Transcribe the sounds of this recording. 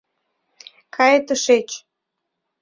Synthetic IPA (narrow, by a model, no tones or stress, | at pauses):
kʰɑjet̪əʃet͡ɕ